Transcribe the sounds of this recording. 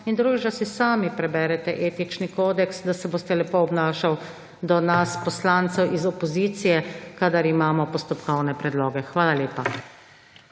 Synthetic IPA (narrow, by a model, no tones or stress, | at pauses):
ind̪ɾuɡid͡ʒasisaːmipɾɛbɛɾɛt̪ɛʔeːt̪it͡ʃnikoːd̪ɛksd̪asɛboːst̪ɛlɛpoɔbnaːʃaw | d̪ɔnaspɔslaːnt̪sɛwʔizɔpɔziːt̪sijɛkad̪aɾimaːmɔpɔst̪ɔpkɔwnɛpɾɛd̪loːɡɛxʋaːlaleːpa